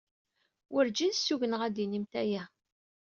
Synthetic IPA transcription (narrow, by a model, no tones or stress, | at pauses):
wʔəɾd͡ʒinsːuʝənəʁæd̪inimt̪æjæ